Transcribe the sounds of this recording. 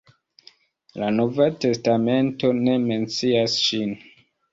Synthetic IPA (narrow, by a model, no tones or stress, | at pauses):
lano̞vate̞stame̞nto̞ne̞me̞nt͡siasʃin